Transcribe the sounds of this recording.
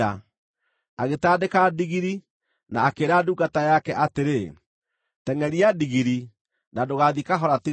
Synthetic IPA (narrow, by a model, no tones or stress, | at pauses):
a | aɣetaːdekadiɣiɾi | naːkeːɾaduɡatajakɛʔateɾe | tɛŋɛɾiadiɣiɾi | nadoɣaðikaɦɔɾati